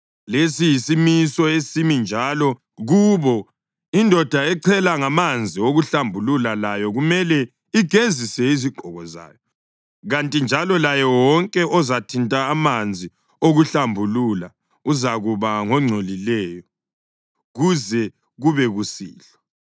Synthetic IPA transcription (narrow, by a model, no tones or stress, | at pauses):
lesijisimisɔesimind͡ʒʱalɔ | ɣuβɔ | indʱɔd̥ʱaɛǀʰɛlaŋamand͡zʱioɣuɬambʱululalajɔɣumɛlɛ | iɡ̥ʱezisɛiziɡ͡ǃʱɔɣɔza̰ːjɔ | ɣantʼind͡ʒʱalɔlajɛwɔŋkʼɛʔɔzatʰintʼaːmand͡zʱi | oɣuɬambʱulula | uzaɣuβaŋɔŋ͡ǀʱolilɛjɔ | ɣuzɛ | ɣuβɛɣusḭːɬɔ̥